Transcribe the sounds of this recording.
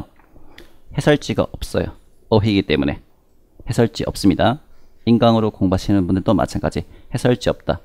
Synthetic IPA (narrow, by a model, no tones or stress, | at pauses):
he̞sʰʌɭt͡ɕ͈iɡa̰ʔʌp̚s͈ʌjo̰ | ʌɦiɡit͈e̞mune̞ | he̞sʰʌɭt͡ɕ͈iʌp̚s͈ɯmɲidainɡaŋɯɾokoŋbaɕʰinɯnbundɯɭt͈omʔa̰t͡ɕʰank͈ad͡ʑihe̞sʰʌɭt͡ɕ͈iʌp̚t͈a